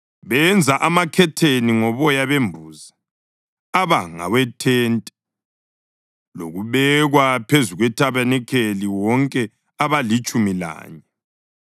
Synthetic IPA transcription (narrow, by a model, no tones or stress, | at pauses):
βɛnd͡zʱaʔamakʰɛtʰeniŋɔβɔjaβembʱuːza | aβaŋa̰wɛtʰɛntʼɛ | lo̰ɣuβɛɣwapʰezuɣwɛtʰaβanɛkʰeliwɔŋkʼɛ | aβalit͡ʃʼumila̰ːɲɛ